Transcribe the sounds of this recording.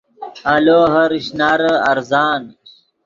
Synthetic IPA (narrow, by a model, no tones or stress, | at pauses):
ɐloːɦɐɾiɕnaɾɐɾzaːn